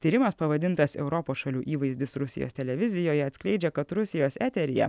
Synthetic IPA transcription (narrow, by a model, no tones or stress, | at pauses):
t̪ʲiːɾʲɪmɐspɐʋɐd̪ʲɪnt̪ɐsɛ̰ʊɾɔpoːsʃɐlʲuːʔiːʋɐɪzʲd̪ʲɪsɾʊsʲɪ̰jo̰st̪ʲɛlʲɛʋʲɪzʲɪjoːjɛɐt̪sʲkʲlʲɛɪd͡ʒʲɛkɐt̪ɾʊsʲɪjoːsæːt̪ʲɛɾʲɪjɛ̰